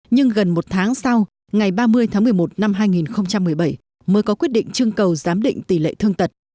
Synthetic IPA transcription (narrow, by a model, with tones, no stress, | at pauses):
ɲɨ˧ŋɣə˨˩nmo˨˩t̚t̪ʰaː˨˦ŋsa˧w | ŋa˨˩jɓaː˧mɨ˧əjt̪ʰaː˨˦ŋmɨ˨˩əjmo˨˩t̚na˧mɦaː˧jŋi˨˩nxə˧wŋ͡mt͡ɕa˧mːɨ˨˩əjɓə˧˩j | məː˨˦jkɔ˨˦kwi˦˥ət̚ɗḭ˧˨ŋ̟t͡ɕɨ˧əŋkə˨˩wzaː˨˦mɗḭ̈˧˨ŋ̟t̪i˧˩lḛ˧˨t̪ʰɨ˧əŋt̪ə˨˩t̚